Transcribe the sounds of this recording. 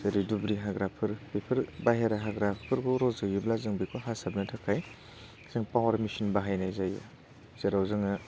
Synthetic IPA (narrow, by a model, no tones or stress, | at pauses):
ɾidubɾiɦaɡɾapʰɯɾbepʰɯɾbajɦeɾaɦaɡɾapʰpʰɯɾɡɔɾɔzɯjiblazɯŋbikʰɔɦasabnatʰakʰaj | zeŋpawaɾmisinbaɦajnajzaja̰ | z̥eɾawzɯŋa